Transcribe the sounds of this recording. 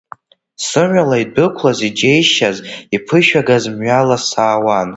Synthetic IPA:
sɨʕʷalaidɨkʷʰlazid͡ʒejʃazipʰɨʃᶣaɡazmɥalasaːwan

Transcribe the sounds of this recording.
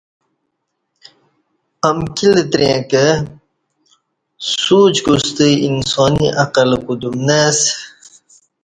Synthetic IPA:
ɐmkilet̪ɾẽːke | suːt͡ɕɡust̪iinsoːniʔɐqɐlkud̪umnes

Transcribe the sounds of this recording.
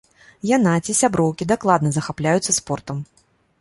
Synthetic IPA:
janat͡sʲisʲabɾɔwkʲid̪aklˠad̪nɐzɐxaplʲajut̪sːɐspɔrt̪ɐm

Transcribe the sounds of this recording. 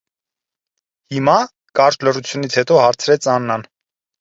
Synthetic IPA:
himɑ | kɑɾt͡ʃlərut͡sʰjunit͡sʰhɛt̪ɔhɑɾt͡sʰɾɛt͡sʰɑnːɑn

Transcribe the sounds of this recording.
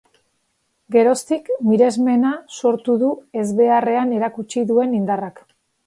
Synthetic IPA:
ɡe̞ɾo̞st̪ikmiɾe̞zme̞naso̞ɾt̪uðue̞zβe̞are̞ane̞ɾakut͡ʃiðue̞nind̪arak

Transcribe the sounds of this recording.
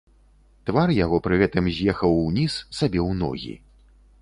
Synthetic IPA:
t̪varjaɣɔpɾɨɣɛt̪ɨmzʲjɛxɐwnʲisːabʲɛwnɔ̰ɣʲḭ

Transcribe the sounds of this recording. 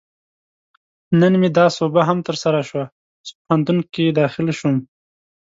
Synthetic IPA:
nənmed̪ɑsobaɦamt̪əɾsaɾaʃwa | z̥pʊhant̪unkid̪ɑːxɪlʃum

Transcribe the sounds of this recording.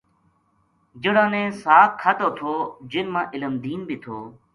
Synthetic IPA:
d͡ʒəɽãːnẽːsaːkkʰːət̪oːt̪ʰoːd͡ʒɪlmãːʔɪləmd̪iːnbʱiːt̪ʰoː

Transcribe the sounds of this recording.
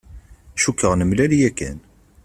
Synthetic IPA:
ʃukːəʁnəmlælijækːæ̰n

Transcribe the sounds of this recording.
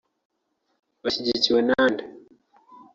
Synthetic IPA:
βaʃiɟiciwenaːnda

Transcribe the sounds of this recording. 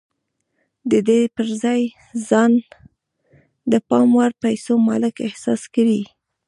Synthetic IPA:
d̪əd̪epəɾzɑj | zɑn | d̪əpɑmwaɾpajsomɑlɪkɪhsɑskawi

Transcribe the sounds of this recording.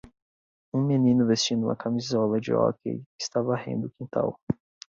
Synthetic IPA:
ũmenĩnʊvest͡ʃĩd̪ũmɐkʰamizɔlɐd͡ʒɪ̰ɔ̰kḛjɪst̪avɐahḛ̃nd̪ʊkĩnt̪a̰w

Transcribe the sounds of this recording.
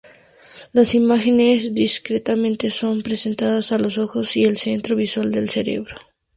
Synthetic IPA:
lasimaxe̞ne̞zðiskɾet̪amẽ̞nt̪eso̞mpɾe̞se̞nt̪aðasalo̞so̞xo̞sie̞lse̞nt̪ɾo̞βiswald̪e̞lse̞ɾe̞̰βɾo

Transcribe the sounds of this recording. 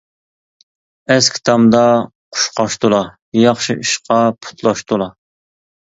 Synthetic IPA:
ɛskʲʰi̥t̪ʰɑmd̪ɑqʰʊ̥ʃqɑʃt̪ulˠɑ | jɑχʃiʔiʃqʰɑpʰu̥t̪ʰlˠɑʃt̪ulˠɑ

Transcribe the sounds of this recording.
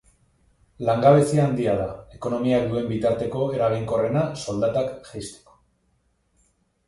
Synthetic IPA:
laŋɡaβ̞e̞siaːnd̪iað̞ae̞ko̞no̞miak̚d̪ue̞mbit̪aɾt̪e̞ko̞e̞ɾaβiŋko̞re̞naso̞ld̪at̪akʝajst̪e̥ko̥

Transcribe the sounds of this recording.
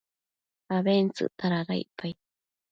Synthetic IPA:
aβent͡sɨ̰t̪aɾaɣa̰jpaj

